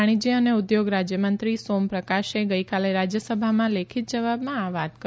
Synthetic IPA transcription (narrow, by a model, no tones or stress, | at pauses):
aɽ̃id͡ʒiəneʊd̪joɡɾad͡ʒjəmənt̪ɾisompɾəkaʃeɡəjkaleɾad͡ʒjəsəbʱamãlekʰit̪̚d͡ʒəʋabmãaʋat̪kə